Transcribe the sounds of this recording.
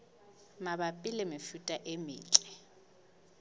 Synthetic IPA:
mabapʼɪlɛmɪfutʼaʔemḭːt͡ɬʼɛ

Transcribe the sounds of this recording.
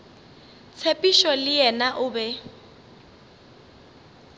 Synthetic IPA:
t͡sʰepʼiʃɔlɪjɛnaʔʊːbɛ

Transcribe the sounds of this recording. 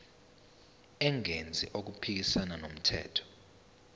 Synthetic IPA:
ɛŋend͡zʱḭʔok̬upʰik̬isananom̩tʰɛ̰ːtʰɔ̥

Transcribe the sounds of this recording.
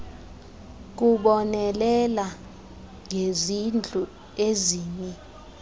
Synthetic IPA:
k̬uɓɔnɛlɛla | ŋʱezind͡ɮʱu | eziːɲɛ

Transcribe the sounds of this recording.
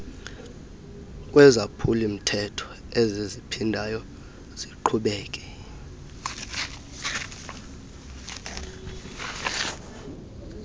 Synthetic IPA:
k̬ʼwɛzapʰulim̩tʰɛtʰɔ̥ | ezizipʰindʱajɔ | z̥iǃʰuɓɛːkʼɛ̥

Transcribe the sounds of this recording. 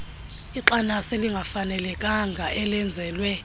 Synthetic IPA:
iǁanaseliŋɡʱafanɛlɛkʼaŋɡʱaʔɛlɛnd͡zʱɛːlwɛ

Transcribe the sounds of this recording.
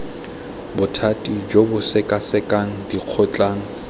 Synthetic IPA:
bʊtʰatʼid͡ʒobʊsɪkʼasɪkʼaŋ̩diq͡χʰʊt͡ɬʼaːŋ̩

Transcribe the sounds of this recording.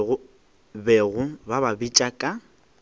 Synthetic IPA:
ʊ | bɛɣʊbababit͡ʃʼakʼa

